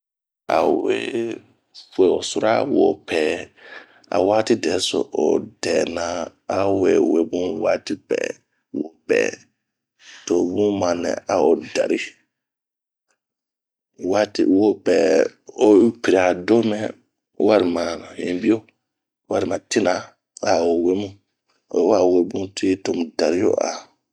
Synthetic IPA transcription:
a̰˨we˦ | fe˨o˨su˦ɾa̰˦wo˨pʰɛː˨ | a̰˨waː˦ti˦dɛ˨so̰˨ʔo˨dɛː˨nã˨a˨we˨we˨bũ˦waː˦ti˦pɛ̰˨ | wo˨pɛ̰ː˨ | to˨bũ˦mã˨nɛ̰˨ʔa˨o˨da˨ɾi˦ | wa˦tḭ˦˨wo˦pɛː˨o˦pi˨ɾi˨a˨do˦mɛ˦ | wa˦ɾi˨mã˨hĩ˨˦bi˦o˦ | wa˦ɾi˨mã˨ti˦na˨ | a˨o˨we˦mũ˦˨˦ | wa˦˨we˦bũ˦tʰi˦to˨m˨da˨ɾi˦jo̰˦ʔa̰˨

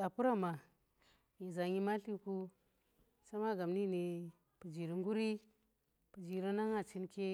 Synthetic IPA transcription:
a˨pu˦ɾa˦ma˨ | ɲi˨za˨ɲi˦ma˦ɬi˦ku˦ | sa˦ma˦ɡa˨mni˦ni˨ | pu˨d͡ʒi˨ɾi˨ŋɡu˦ɾi˦ | pu˨d͡ʒi˨ɾi˦na˦ŋa˨t͡ʃi˦nke˦

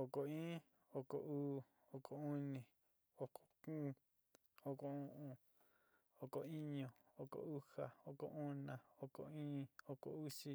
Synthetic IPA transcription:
o˨ko˨ĩː˦ | o˧ko̰˨uː˦ | o˧˨kʰo˨u˦nĩ˨ | o˨ko̥˨kũː˦ | o˧ko˨ũ˦ʔũ˧ | o˧˨ko˨i˦ɲõ˨o˧ko̰˨u˦ha˨o˨ko̰˨ʔu˦nã˨o˧ko̰˨ĩː˦o˧ko̰˨u˦si˧

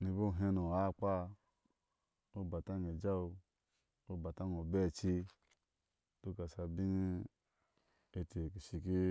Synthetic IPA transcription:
ni˧bo˦˨ɦe˧no˨a˦˨k͡pa˦ | o˦˨ba˨ta˦ŋ˨e˨d͡ʒa˦o˧ | o˦˨ba˨ta˦ŋ˨o˨bɛ˦˨t͡ʃi˧ | du˦ka˨sa˧bi˦ŋi˦ | e˧te˨ki˨ʃi˨ki˦

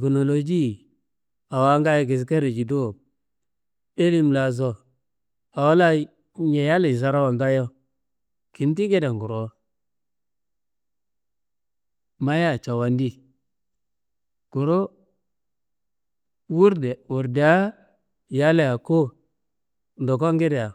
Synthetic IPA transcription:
ɡu˨no˨lo˨d͡ʒi˦˨ | a˨wa˨˦ŋɡa˦jɡe˨s̬ka˦ɾi˨d͡ʒi˨do˦˨ | e˦li˦mla˨z̬o˨ | a˨wa˦la˦ | ɲe˨ja˦le˨s̬a˨ɾa˦wa˨ŋɡa˦jo˦ | ki˨n˦t̬i˦ke˦da˨ŋɡu˨ɾo˨ | ma˦ja˦˨t͡ʃa˨wa˨ndi˦ | ɡ̥u˨ɾo˦ | wu˦ɾde˨wu˨ɾde˨a˦ | ja˦le˦˨a˨ko˦ | n˨do˨ko˦ŋɡe˦de˨a˨

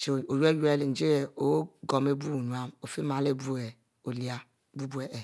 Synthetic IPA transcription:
t͡ʃe˨o˨je˦je˦le˨n̩˨˦d͡ʒe˦e˨o˦ɡo˨me˦bu˦˨nu˨a˦mo˨fi˦ma˨le˦˨bu˦e˨ | o˨li˨a˦˨ | bu˦bu˦e˨ʔe˨

